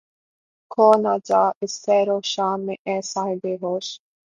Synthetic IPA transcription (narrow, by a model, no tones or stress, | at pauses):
kʰoːnaːd͡ʒaːɪsːɛːɾoʃaːmːẽʔɛ̃ːsaːɦɪb̪eɦoːʃ